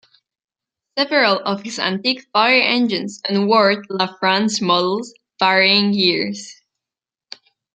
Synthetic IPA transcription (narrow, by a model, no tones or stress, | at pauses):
sɛvəɹəlˠɔv̥hɪzã̰ntikfaɪə˞ʔɛ̃nd͡ʒɨ̃nzɨ̃nwɔɹdlafɹãnsmɔdl̩ˠz̥ | vaɹiɪ̃ŋjiɹz̥